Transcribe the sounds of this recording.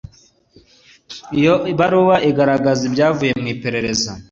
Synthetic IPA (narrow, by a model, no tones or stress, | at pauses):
ijoβaɾuːβaʔiɡaɾaɡazibɟaːvuje̞mŋiːpe̞ɾe̞ɾe̞za